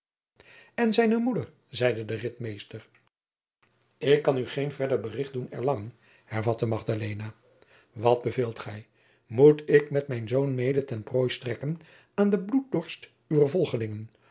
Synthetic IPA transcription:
ɛnzɛjnəmudəɹ | zɛjdədərɪtmejstər | ɪkːɑnyχejnvɛɹdəɹbərɪχt̚dunɛ̰ɹlɑŋən | hɛɹvɑtəmɑχdalejna | ʋɑd̚bəveːlˠtχɛj | mutɪkmɛtmɛjnzownmejdətɛnproːjstrɛkən | aːndəblut̚dɔɹst | yʋəɹvɔlˠχəlɪŋən

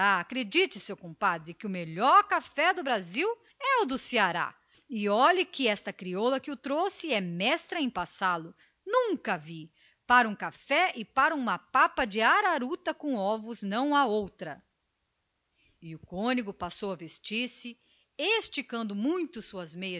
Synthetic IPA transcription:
aakɾed͡ʒit͡ʃɪsewkõpad̪ɾɪkɪʊmeʎɔɾkafɛd̪ʊbɾaziw | ɛʊd̪ʊsiaɾa̰ | ɪɔʎɐkɪɛst̪ɐkɾiɔlɐkɪʊt̪ɾosɪɛmɛst̪ɾɐẽj̃pasalʊ | nũŋkɐvi | paɾɐũkafɛʔɪpaɾɐũmɐpapɐd͡ʒɪaɾaɾut̪ɐkõɔvʊznɐ̃w̃aowt̪ɾɐ | ɪʊkõniɡʊpasowɐvest͡ʃiɾsɪ | est͡ʃikɐ̃nd̪ʊmũj̃t̪ʊsuɐzmejɐ

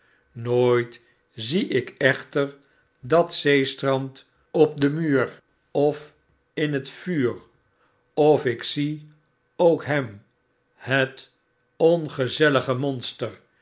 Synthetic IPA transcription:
noːjt | ziʔɪkɛχtəɹ | dɑtsejstrɑnt | ɔp̚dəmyːɹ | ɔf | ɪnɦətfyːr | ɔfɪksi | owkɦɛm | hət | ɔnχəzɛləχəmɔnstər

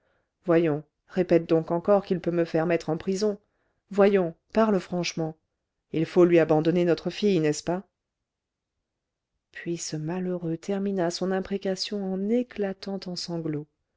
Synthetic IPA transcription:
vwajɔ̃ | ʁepɛt̪̚d̪ɔ̃kɑ̃kɔʁkilpøməfɛʁmɛt̪χɑ̃pχizɔ̃ | vwajɔ̃ | paʁləfχɑ̃ʃmɑ̃ | ilfolɥiabɑ̃d̪ɔnenɔt̪χəfijnɛspa | pɥisəmaløʁøt̪ʰɛʁminasɔ̃nɛ̃pχekasjɔ̃ɑ̃neklat̪ɑ̃t̪ɑ̃sɑ̃ɡlo

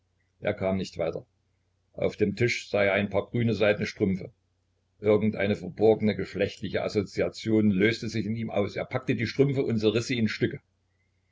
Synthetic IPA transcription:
ʔḛːɐkʰaːmnɪçtv̥aɪtɐ | ʔa̰ʊfd̥eːmtʰɪʃz̥aɪeɐaɪnpʰaːɐɡ̥ʁyːnəzaɪtnəʃtʁ̥ʏmfə | ʔɪɐɡŋ̩tʔa̰ɪnəfɐbɔɐɡənəɡəʃlɛçtlɪçəʔa̰zot͡siat͡sjoːnløːstəzɪçɪniːmʔa̰ʊsḛːɐpʰak̚tədiːʃtʁ̥ʏmfəʊntɐʁɪsiːɪnʃtʏkə

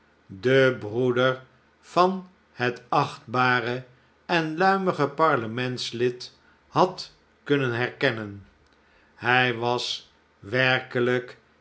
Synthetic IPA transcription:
dəbrudəɹ | v̥ɑn | hətɑχd̚baːrə | ɛnlœɥməχəpɑɹləmɛntslɪt | hɑt | kɵnənɦɛɹkɛnən | hɛjʋɑs | ʋɛɹkələk

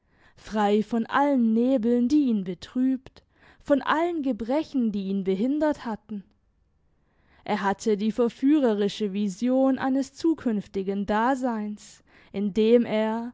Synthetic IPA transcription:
fʁ̥aɪfɔnʔa̰lənːeːbl̩ndiːʔiːnbətʁ̥yːpt | fɔnʔa̰lənɡəbʁɛçn̩diːiːnbəɦɪndɐthatn̩ | ʔeːɐɦatʰədiːfɛɐfyːʁɐʁɪʃəvizjoːnʔa̰ɪnəst͡suːkʰʏnftɪɡndaːzaɪns | ʔɪndeːmʔeːɐ

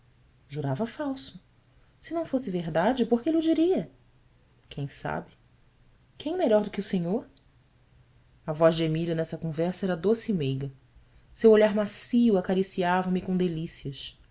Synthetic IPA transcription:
ʒuɾavɐfawsʊ | sɪnɐ̃w̃fosɪveɦd̪ad͡ʒɪpoχkɪeliʊd͡ʒiɾiɐ | kʰẽj̃sa̰bɪ | kẽj̃meʎɔɾd̪ʊkɪusẽɲoɾ | ɐvɔzd͡ʒemiʎɐnɛsɐkõvɛɾsɐɛɾɐd̪osimejɡɐ | sewoʎaɾmasiuwakaɾisiavɐmɪkõd̪elisiɐs

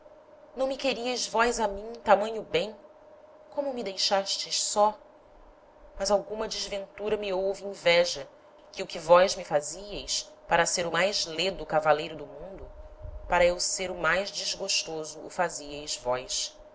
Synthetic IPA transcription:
nɐ̃w̃mɪkeɾiɐjzvɔjzamĩt̪amɐ̃ɲʊbẽj̃ | kõmʊmɪd̪ejʃaʃt͡ʃɪʃsɔ | mɐzawɡũmɐd͡ʒɪzvẽnt̪uɾɐmɪowvɪẽvɛʒɐ | kɪʊkɪvɔjzmɪfaziɐjs | paɾɐseɾʊmajzled̪ʊkavalejɾʊd̪ʊmũnd̪ʊpaɾɐewseɾʊmajzd͡ʒɪzɡoʃt̪ozʊ̰ːfaziɐjzvɔjʃ

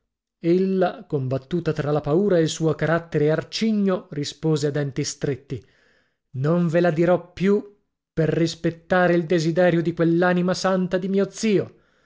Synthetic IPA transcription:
elːakombat̪ːuːt̪at̪ɾalapauːɾaelsuːokaɾat̪ːɛɾeart͡ʃiɲːorispoːzead̪ɛnt̪ist̪ɾet̪ːi | noɱvelad̪iɾɔpːju | perːispet̪ːaːɾeild̪ezid̪ɛːɾjod̪ikwelːaːnimasant̪ad̪imiːod̪ziːo

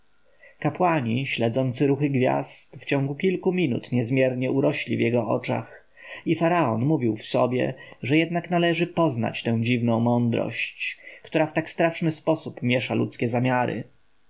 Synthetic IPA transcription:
kapwaɲiɕlɛd̪zɔnt̪sɘɾuxɘɡvʲja̰st̪ft͡ɕɔ̃ŋɡukʲilkumʲinṵt̪ɲɛzmʲjɛɾɲɛuɾɔɕlʲḭvjɛɡɔɔ̰t͡ʂa̰x | ifaɾaɔnmuvʲiwfsɔ̰bʲjɛ̰ʐɛjɛd̪naknalɛʐɘpɔzna̰t͡ɕt̪ɛ̃w̃d͡ʑivnɔ̃w̃mɔnd̪ɾɔ̰ɕt͡ɕkt̪uɾaft̪akst̪ɾaʂnɘspɔsupmʲjɛʂalṵt̪skʲɛzamʲjaɾɘ̰

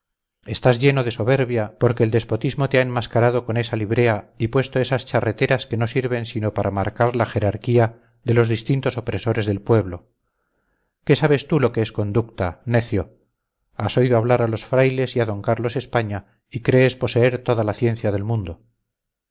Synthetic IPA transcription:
e̞st̪azʝe̞no̞ðe̞so̞βe̞ɾβjapo̞ɾkeːld̪e̞spo̞t̪izmo̞t̪eaemːaskaɾað̞o̞ko̞ne̞saliβ̞ɾe̞aipwe̞st̪oe̞sast͡ʃare̞t̪e̞ɾaske̞no̞siɾβe̞nsino̞paɾʔamaɾkaɾlaxe̞ɾaɾkia | ðe̞lo̞zðist̪int̪o̞so̞pɾe̞so̞ɾe̞zðe̞lpwe̞βlo̞ | ke̞saβ̞e̞st̪ulo̞ke̞esko̞nd̪ukt̪ane̞θjo | aso̞iðoaβ̞laɾalo̞sfɾajle̞siaðo̞ŋkaɾlo̞se̞spaɲa | ikɾe̞ːspo̞se̞eɾt̪o̞ðalaθje̞n̟θjaðe̞lmũnd̪o̞

